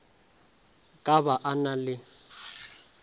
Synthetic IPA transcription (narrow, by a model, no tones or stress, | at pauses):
kʼaβaʔanalɪ